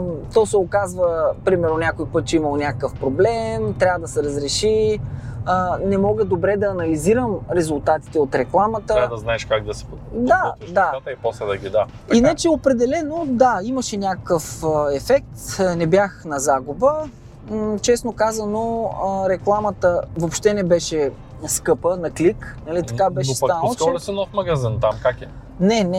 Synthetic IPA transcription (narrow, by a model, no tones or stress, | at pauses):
t̪ɔsɛokazvəpɾimɛɾnonʲakojipɤt̪̚t͡ʃɛiməlˠnʲakəkəfpɾoblɛmt̪ɾʲavəd̪ɐsɛɾəzɾɛʃi | ənɛmɔɡəd̪obɾɛd̪ɐːnɐliziɾəmɾɛzʊlˠt̪at̪i̥t̪ɛot̪ɾɛklˠamət̪əɾad̪ɐznaɛʃkaɡ̚d̪ɐsɛ̥ | d̪ad̪at̪ipɔslɛd̪ɐɡʲid̪a | inat͡ʃɛopɾɛd̪ɛlɛnod̪aiməʃɛnʲakəkəfəɛfɛk̚t̪nɛbjaxnɐzaɡubə | t͡ʃɛsnokazɐnoəɾɛklˠamət̪əvopʃt̪ɛnɛbɛʃɛ | skɤpənɐkliknɐlit̪ɐ̥kabɛʃsanəlˠoɛsɛnɔfmɐɡɐzint̪amkakɛ | nɛnɛ